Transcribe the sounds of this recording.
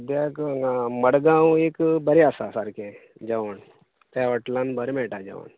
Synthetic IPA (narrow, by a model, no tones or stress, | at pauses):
d̪jakaməɽɡãwekbəɾeasasaɾkʰẽ | d͡ʑaʋɳ | t̪jaʋəʈlãnbəɾmɛɭʈad͡ʑə̰ʋə̰ɳ